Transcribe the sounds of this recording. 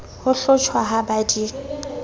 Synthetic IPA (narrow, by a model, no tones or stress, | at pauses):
hʊɬʊt͡ʃʰwaɦabadi